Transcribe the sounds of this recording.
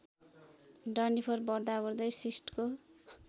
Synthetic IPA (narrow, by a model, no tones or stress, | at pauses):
ɖʌnipʰʌrbʌrd̪abʌrd̪ʌjsisʈko